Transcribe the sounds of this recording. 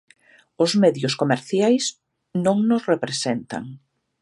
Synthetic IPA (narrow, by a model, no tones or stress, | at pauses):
ʊzmɛðjʊskomeɾθjajs | nõŋnʊsrepɾesent̪a̰ŋ